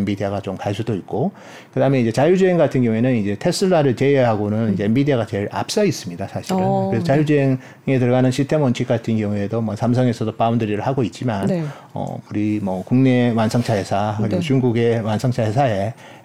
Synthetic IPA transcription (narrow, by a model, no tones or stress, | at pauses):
mbidiaɡat͡ɕomkaɭs͈ʰudoik̚k͈o | kɯdaɦɯme̞ind͡ʑe̞t͡ɕajud͡ʑueŋɡatʰɯnɡjʌŋuenɯnid͡ʑe̞tʰe̞s͈ɯɭːaɾɯɭt͡ɕe̞ɦaɡonɯnid͡ʑembidiaɡat͡ɕe̞ɾa̰p̚s͈ais͈ɯmɲidasʰaɕʰiɾɯkɯɾesʰʌt͡ɕajud͡ʑeeŋ | ŋe̞tɯɭɡanɯnɕʰitʰe̞mʌnt͡ɕʰik͈atʰɯnkjʌŋue̞domʌsʰamsʰʌŋe̞sʰʌdopaumdɯɾiɾɯɭhaɡoit̚t͡ɕ͈iman | ʌ̰uɾimʌkuŋne̞wansʰʌŋt͡ɕʰaɦe̞sʰakɯɾiot͡ɕuŋɡuɡe̞wansʰʌŋt͡ɕʰaɦesʰae̞